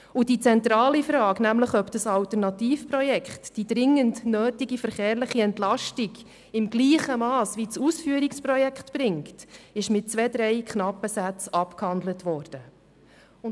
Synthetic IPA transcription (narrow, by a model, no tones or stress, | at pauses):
ʊdit͡sɛnt̪ɾɑːlifɾɑːɡnæmləχœbd̥əsɑlt̪əɾnɑt̪iːfprɔjɛkχtd̥id̥ɾɪŋːəndnøːtiɡifəɾχeːɾlɪχiɛntlɑʃtiɡ | ɪmɡ̥liːχəmɑːsʋit͡susfyəɾikspɾɔjɛkχtb̥ɾɪŋktɪʃmɪt̚t͡sʋɛd̪ɾɛjkχnɑpːəsæt͡sɑpkhɑnd̪lətʋɔːɾd̥ə | ʊ